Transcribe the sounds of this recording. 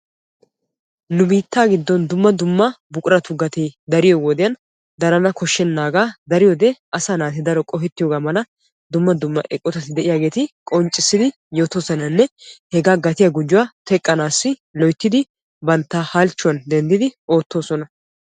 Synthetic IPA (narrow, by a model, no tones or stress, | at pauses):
nʊbiːt̪ːaːɡɪd̪ːɔnd̪ʊmːɐd̪ʊmːɐ | bʊkʼʊɾɐt̪ʊɡɐt̪eːd̪ɐɾɪjoɡod̪ɪjɐn | d̪ɐɾɐnɐkʰɔʃːɛnːaːɡaːd̪ɐɾɪjod̪ɛʔɐsaːnaːt̪ɪd̪ɐɾɔkʼɔfɛt̪ːɪjoːɡaːmɐlɐ | d̪ʊmːɐd̪ʊmːɐ̰ʔɛkʼːɔt̪ɐt̪ɪd̪ɛʔɪjaːɡe̞ːt̪ɪkʼɔnt͡ʃʼːɪsːɪd̪ɪ | jo̞ːt̪oːsɔnɐnːɛhɛɡaːɡɐt̪ɪjaɡʊd͡ʒːʊwaːt̪ɛkʼːɐnaːsːɪlɔjt̪ːɪd̪ɪ | bɐnt̪ːaːhɐlt͡ʃːʊwɐnd̪ɛnd̪ɪd̪ɪʔo̞ːt̪ːo̞ːsɔnɐ